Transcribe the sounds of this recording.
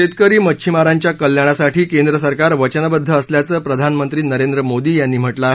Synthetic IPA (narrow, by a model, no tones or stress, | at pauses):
et̪kəɾiːmət͡ɕʰimaɾaɲt͡ɕjakəljaɽ̃asaʈʰiːkend̪ɾəsəɾkaɾʋət͡ɕənbəd̪ʱːəːsljat͡səːpɾəd̪ʱanmənt̪ɾiːnəɾend̪ɾəmod̪iːjanːiːm̤əʈlaaɦe